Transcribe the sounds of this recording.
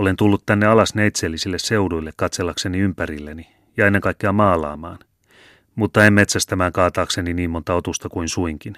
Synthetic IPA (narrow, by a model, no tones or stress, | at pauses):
ole̞nt̪ulːut̪tænːeɑlɑsneit̪seːlːisilːese̞udujlːekkɑt̪selːɑkse̞niympæɾilːeni | jɑenːeŋkɑikːeɑmɑːlɑ̰ːmɑːn | mut̪ːɑemme̞t̪sæst̪æmæːŋkɑːt̪ɑːkse̞niniːmːo̞nt̪ɑo̞t̪ust̪ɑkuinsuiŋkin